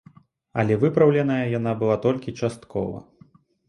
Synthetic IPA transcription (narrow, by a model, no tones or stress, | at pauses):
ɐ̰lʲɛvɨpɾɐwlʲɛnɐjɐjan̪abɨlˠat̪ɔlʲkʲit͡ʂast̪kʰɔ̰vɐ̰